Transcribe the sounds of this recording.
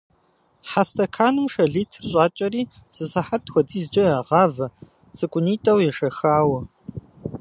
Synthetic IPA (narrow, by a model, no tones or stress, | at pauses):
ħastʰɐkʰaːnɨmʂɐɮiːtʰrɕʼaːt͡ʃʼɐriː | z̥ɨsɐħatxʷɔdʰiːzd͡ʒɐjaːʁɑːvɐ | t͡sʼɨkʷʼʊniːtʼɐwjɛʂɐxaːwɐ